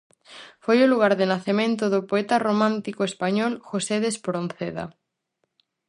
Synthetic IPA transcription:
fojʊluɣ̞aɾðɪnaθemẽnt̪ʊðʊpoɛt̪aromãnt̪ikoespaɲɔlxoseðespɾõnθeða̰

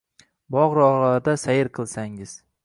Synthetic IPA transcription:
bɒʁɾɒʁlaɾd̪asajɪɾqʰɨlˠsaŋɪz̥

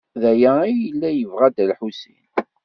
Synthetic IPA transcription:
ðæjæijəlːæjəvʁæd̪ælħusḭn

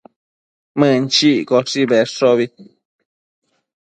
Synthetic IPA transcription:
mɨ̃nt͡ʃikoʂiβeʂoβi

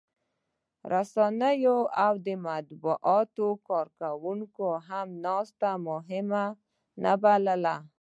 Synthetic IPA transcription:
ɾasɑnəjoawd̪əmat̪buʔɑt̪okɑɾkawuŋkoɦamnɑst̪amʊɦɪma | na̰baləla

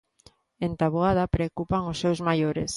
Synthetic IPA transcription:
ent̪aβoað̞ɐapɾeokupaŋʊsːewzmajoɾḛs

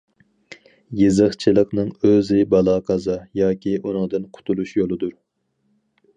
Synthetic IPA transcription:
jezɨχt͡ʃʰɨlˠəqnɨŋøzɪbɑlˠɑːqʰɑzɨjɑːkʲʰiʔunɨŋd̪ɨnqʰʊ̥t̪ʰulˠuʃjolˠɨd̪uɾ

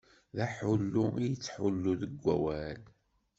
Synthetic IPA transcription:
ðæħulːuijət͡sːħulːuðəɡʷːæ̰wæl

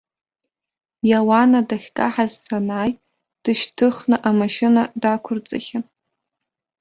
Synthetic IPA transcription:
jawanadaχʲkʼaħazsanaːj | d̥ɨʃtʰɨχnɨʔamaʃɪnadakʷʰʊrt͡sʼɨ̰χʲa

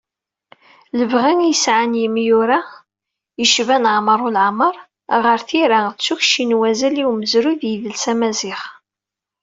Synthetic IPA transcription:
ləvʁinjəsʕanjəmjuɾa | jəʃvænʕməɾˤulʕməɾˤ | ʁəɾθiɾat͡sːuçʃinwæzæliwməzɾuðjiðəlsæmæzɪχ

